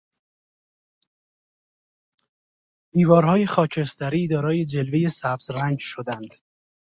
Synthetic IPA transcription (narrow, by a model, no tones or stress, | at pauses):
d̪̥iːvɒːɾhɒːje̞xɒːcʰe̞st̪æɾiːd̪ɒːɾɒːje̞d͡ʒe̞lve̞je̞sæbz̥ɾæɲd͡ʒʃod̪ænd̪̥